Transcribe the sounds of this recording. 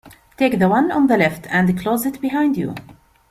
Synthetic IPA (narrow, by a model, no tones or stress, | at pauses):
tʰeːkðəwʌ̃nə̃nðəlɛftʰæ̃ndkʰloːzɪt̚b̥ɪɦãɪ̃ndjṵ